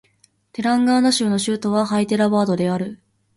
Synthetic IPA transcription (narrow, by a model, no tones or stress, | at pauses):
t̪e̞ɾãŋɡaːnoɕɨːno̞ɕɨːt̪o̞βaɦait̪e̞ɾaβaːd̪o̞d̪e̞aɾɯ̟